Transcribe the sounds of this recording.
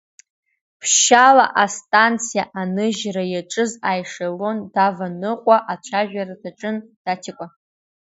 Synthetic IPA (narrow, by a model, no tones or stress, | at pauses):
pʰʃala̰ʔastʼant͡sʰijaʔanɨʒrajaʈ͡ʂʼɨzajʂalondavanɨqʷʼaʔat͡ɕʷʰaʒᶣaradaʈ͡ʂʼɨnd̥atʲʰɪkʷʼa